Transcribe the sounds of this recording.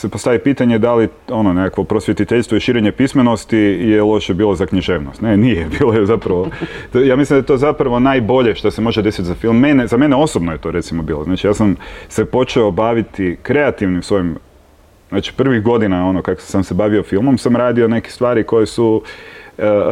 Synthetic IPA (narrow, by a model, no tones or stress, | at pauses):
sepost̪aʋipiːt̪aɲe̞d̪alio̞nonekakʋo̞pɾosʋjet̪it̪eʎʲst̪ʋoiʃiːɾeɲepismenost̪ijelˠo̞ʃebiːlˠozakɲiʒe̞ːʋnost̪nenijebiːlˠojezapɾaʋot̪ojaːmislimd̪aet̪ozapɾaʋo̞najbo̞ʎeʃt̪asemo̞ʒed̪esit̪zafilˠmːenezame̞neo̞sobnoje̞t̪o̞ɾe̞t̪simobiːlˠoznaːt͡ʃijaːsamse̞po̞t͡ʃeobaʋit̪ikɾe̞at̪iʋnimsʋo̞jim | znaːt͡ʃi̥pr̩ʋiɣɡo̞d̪inao̞nokaksamsebaʋio̞filˠmomsamɾaːd̪io̞ne̞ki̥e̥st̪ʋaːɾiko̞je̞su